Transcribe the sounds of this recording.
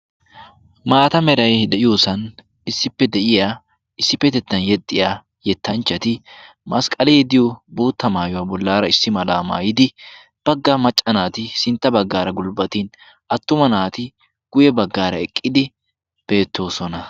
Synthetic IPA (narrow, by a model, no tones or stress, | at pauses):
maːt̪ɐmɛɾɐjd̪ɛʔɪjuːsɐn | ɪsːɪpːɛd̪ɛʔɪja | ɪsːɪpːɛt̪ɛt̪ːɐnjɛt̪ʼːɪjaː | jɛt̪ʰːɐnt͡ʃːɐt̪ɪ | mɐskʼɐlɛɛd̪ɪjbuːt̪ːɐmaːjʊwɐbɔlːaːɾɐɪsːɪmɐlaːma̰ːjɪd̪ɪ | b̥ɐɡːamɐt͡ʃʼːɐnaːt̪ɪsɪnt̪ːɐbɐɡːaːɾɐɡʊlbɐt̪iːn | ʔɐt̪ːʊmɐnaːt̪ɪ | ɡ̥ʊjɛbɐɡːaːɾɐɛkʼːɪd̪ɪ | b̥e̞ːt̪ːo̞ːsɔnɐ